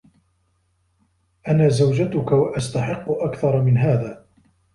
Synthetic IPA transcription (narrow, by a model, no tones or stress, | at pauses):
ʔanaːzawd͡ʒat̪ʊkawaʔast̪aħɪqːʊʔakθɑɾˤɑmɪnɦaːðaː